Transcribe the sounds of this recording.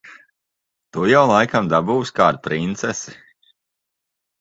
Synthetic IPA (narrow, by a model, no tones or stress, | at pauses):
t̪ujawlˠajkamd̪abuːskaːd̪̚pɾint̪sɛsi̥